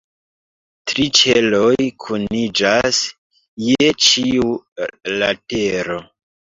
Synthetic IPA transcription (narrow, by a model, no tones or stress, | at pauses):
tɾit͡ʃelojkʰunid͡ʒas | jet͡ʃiulateɾo̞